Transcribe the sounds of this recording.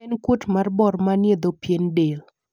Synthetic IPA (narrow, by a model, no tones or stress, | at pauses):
nkutmarbɔrmanjed̪opjendel